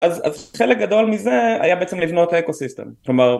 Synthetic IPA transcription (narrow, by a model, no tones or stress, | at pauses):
ʔazazχelek̚ɡad̪o̞lmizea̰jabeet͡semlivno̞t̪aekosiste̞̰mkklomaʁ